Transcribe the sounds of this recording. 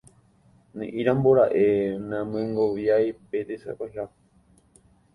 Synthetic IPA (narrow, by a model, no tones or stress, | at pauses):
nḛ̃ʔĩɾãmboɾaʔenãmẽŋɡoʋjajpet̪esa̰paɦa